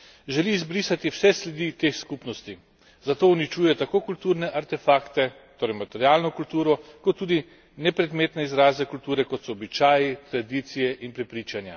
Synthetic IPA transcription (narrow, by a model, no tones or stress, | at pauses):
ʒɛlizbɾiːsat̪iwsɛslɛd̪it̪eːxskupnɔst̪i | zat̪oːwnit͡ʃuːjɛt̪akoːkult̪uːɾnɛʔaɾt̪ɛfaːkt̪ɛ | t̪oːɾɛjmat̪ɛɾjaːlnɔkult̪uːɾɔkɔt̪ːuːd̪i | nɛpɾɛd̪meːt̪nɛizɾaːzɛkult̪uːɾɛkɔt̪sɔːbit͡ʃaːjit̪ɾad̪iːt̪sijɛʔinpɾɛpɾiːt͡ʃanja̰